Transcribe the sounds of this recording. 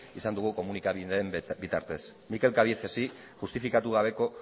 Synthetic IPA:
isand̪uɣ̞uko̞munikaβinembit̪a̰ɾt̪e̞s | mike̞lkaβiθesi | ʝust̪ifikat̪uɣ̞aβ̞e̞ko̞

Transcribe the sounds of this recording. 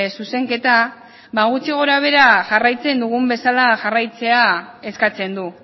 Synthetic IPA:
suse̞ŋke̞t̪a | βaɣut͡siɣ̞o̞ɾaβ̞e̞ɾaʝarajt͡se̞nd̪uɣ̞umbe̞salaʝarajt͡se̞ae̞skat͡se̞nd̪u

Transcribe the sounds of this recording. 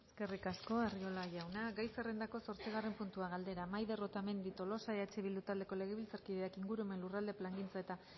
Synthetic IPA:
eske̞rikasko̞ario̞laʝawnaɡajsere̞nd̪ako̞so̞ɾt͡siɣ̞are̞mpunt̪uaɣald̪e̞ɾamajðe̞rot̪ame̞nd̪it̪o̞lo̞saeat͡ʃe̞βild̪ut̪ald̪e̞ko̞le̞ɣ̞eβilt͡saɾkiðe̞akiŋɡuɾueme̞nlurald̪e̞plaŋɡint͡sae̞t̪a

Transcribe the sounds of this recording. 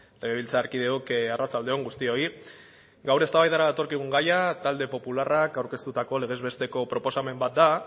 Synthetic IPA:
le̞ɣe̞βilt͡saːɾkiðe̞okarʔat͡sald̪e̞o̞ŋɡust̪io̞i | ɡawɾe̞st̪aβajðaɾaðat̪o̞ɾkiɣ̞uŋɡajat̪ald̪e̞po̞pularakawɾke̞st̪ut̪ako̞le̞ɣ̞e̞zβe̞st̪e̞ko̞pɾo̞po̞same̞mbat̪̚d̪a

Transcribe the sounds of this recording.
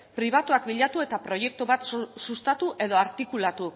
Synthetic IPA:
pɾiβ̞at̪uakbiʎat̪ue̞t̪apɾo̞je̞k̚t̪uβat̪sust̪at̪uʔe̞ðo̞aɾt̪ikulat̪u

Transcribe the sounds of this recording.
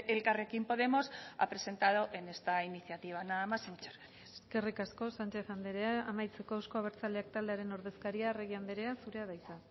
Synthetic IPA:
elkarekimpo̞ðe̞mo̞sa̰pɾe̞se̞nt̪að̞oʔe̞ne̞st̪ainiθjat̪iβ̞anamasent͡ʃeɾ | eeske̞rikasko̞sant͡ʃe̞θand̪eɾeaamajt͡se̞ko̞ewsko̞aβ̞e̞ɾt͡sald̪e̞ak̚t̪ald̪eaɾe̞no̞ɾðe̞skaɾiareɣ̞iand̪eɾe̞asuɾe̞aðajsa

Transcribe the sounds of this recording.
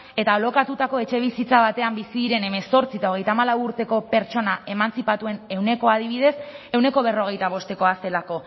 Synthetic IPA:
e̞t̪aolo̞kat̪ut̪ako̞e̞t͡ʃe̞β̞isit͡saβ̞at̪e̞ambisiðiɾe̞ne̞me̞so̞ɾt͡sit̪ao̞ɣ̞e̞jt̪amalawuɾt̪e̞ko̞pe̞ɾt͡ʃo̞nae̞mant͡sipat̪ue̞ne̞wne̞ko̞að̞iβ̞iðe̞se̞wne̞ko̞β̞e̞ro̞ɣ̞e̞jt̪aβ̞o̞st̪e̞ko̞ase̞lako̞

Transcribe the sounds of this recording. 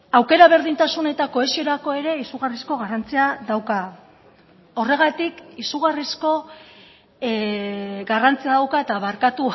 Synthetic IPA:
awke̞ɾaβ̞e̞ɾðint̪asune̞t̪ako̞e̞sio̞ɾako̞e̞ɾe̞isuɣarisko̞ɣ̞arant͡siaðawka | o̞re̞ɣ̞at̪ikisuɣarisko̞ | ɡarant͡siaðawkae̞t̪aβaɾkat̪u

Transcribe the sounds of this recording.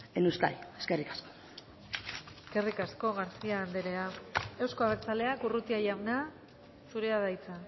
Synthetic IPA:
enuwska̰jeskerikḁsko̥ | eske̞rikasko̞ɣaɾsiaːnd̪eɾe̞ae̞wsko̞aβekt͡sale̞akurut̪iajawna | suɾeaðajt͡sa

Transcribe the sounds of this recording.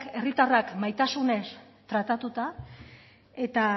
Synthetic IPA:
ke̞rit̪arakmajt̪asune̞s | t̪ɾat̪at̪ut̪a | e̞t̪a

